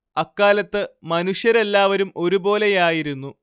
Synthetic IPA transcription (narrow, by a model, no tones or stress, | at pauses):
ɐkːaːlɐt̪ːɨmɐnuʂjɐɾe̞lːaːʋɐɾumo̞ɾubo̞ːle̞jaːjiɾunːu